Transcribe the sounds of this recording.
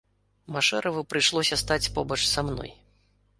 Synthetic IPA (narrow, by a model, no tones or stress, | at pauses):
maʂɛɾʔɐvɨpɾɨjʂlˠɔsʲɐst̪at͡sʲpɔbɐt͡ʂsamnɔ̰j